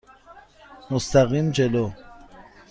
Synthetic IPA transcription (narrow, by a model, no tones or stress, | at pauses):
most̪ʰaɣimd͡ʒelo